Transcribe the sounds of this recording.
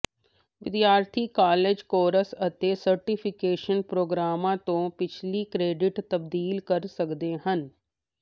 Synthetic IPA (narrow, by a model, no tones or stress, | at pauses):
ʋɪd̪jaːɾt̪ʰikaːleːd͡ʒkoːɾəsɐt̪esɐɾʈɪpʰɪkeːʃənpɾoːɡɾaːmãt̪õpɪt͡ʃʰlikɾeːɖɪʈt̪ɐb̚d̪iːlkɐɾsɐkd̪eɦən